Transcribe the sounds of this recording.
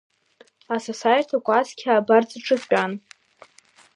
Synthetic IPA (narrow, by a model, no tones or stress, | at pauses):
asosajtʰakʷʼaskʲʰaːbard͡zʼɨʈ͡ʂʼɨan